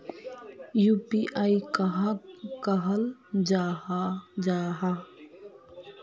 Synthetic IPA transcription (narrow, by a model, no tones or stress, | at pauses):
juːpiʔaikɦkɐɦəld͡ʒaːhd͡ʒaːɦa